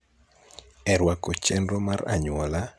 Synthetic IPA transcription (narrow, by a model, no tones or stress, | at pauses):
ɛɾwakɔt͡ʃɛndɔmaɾa̰ɲwɔla